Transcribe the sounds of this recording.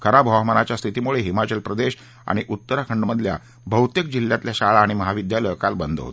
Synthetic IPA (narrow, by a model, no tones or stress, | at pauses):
kʰəɾabʱəɦmənat͡ɕjast̪ʰit̪imuɭeɦimat͡ɕəlpɾəd̪eɕ | a̰ɽ̃iʔut̪ːəɾakʰəɳɖməd̪ʱlja̰ | bʱəwt̪jəkd͡ʑiljat̪ljaɕaɭaːɽ̃iməɦaʋid̪jaləjkalbənd̪ʱɦo̰t̪